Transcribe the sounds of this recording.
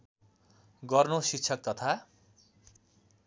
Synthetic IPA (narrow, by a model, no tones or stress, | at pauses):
ɡʌrnosik̚t͡sʰʌk̚t̪ʌt̪ʰa